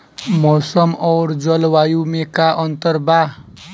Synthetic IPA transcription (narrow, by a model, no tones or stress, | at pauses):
mosʌmʌwrd͡zʌlwajumekaʔʌnt̪ʌrba